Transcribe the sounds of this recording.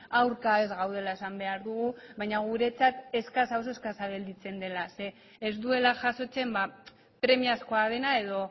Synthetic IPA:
awɾkae̞zɣawð̞e̞lae̞sambe̞aɾðuɣ̞uβajɲaɣ̞uɾe̞t͡sat̪e̞skasawsoeskasaβe̞ld̪it͡se̞nd̪e̞lase̞ː | zd̪ue̞laʝaso̞t͡se̞mba | pɾe̞miasko̞að̞e̞nae̞ð̞o̞

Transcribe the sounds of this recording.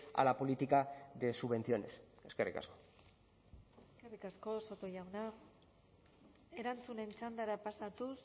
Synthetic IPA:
a̰lapo̞lit̪ikaðe̞suβe̞nθio̞ne̞seskerika̰sko̞ | e̞ske̞rikasko̞so̞t̪o̞jawna | e̞ɾant͡sune̞nt͡ʃand̪aɾapasat̪us

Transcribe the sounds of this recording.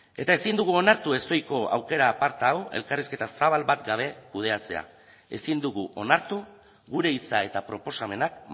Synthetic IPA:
e̞t̪ae̞sind̪uɣuo̞naɾt̪ue̞st̪o̞jko̞a̰wke̞ɾaːpaɾt̪awe̞̰lkariske̞t̪asaβ̞albat̪ɡaβ̞e̞kuð̞e̞at͡se̞̰a̰ | e̞sind̪uɣuʔo̞naɾt̪u | ɣuɾe̞it͡sae̞t̪apɾo̞po̞same̞nak̚

